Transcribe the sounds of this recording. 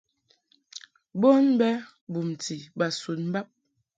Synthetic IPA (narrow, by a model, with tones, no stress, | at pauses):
bo˦nbɛ˦ | bu˨m˨ti˨ba˨su˨t̚m̩˦ba˦p̚